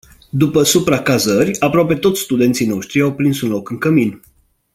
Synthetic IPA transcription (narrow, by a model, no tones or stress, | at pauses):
d̪upəsupɾakazəɾʲapɾoape̞t̪o̞t̪sʲst̪ud̪ent̪sijno̞ʃt̪ɾiawpɾinsunlo̞kɨŋkəmin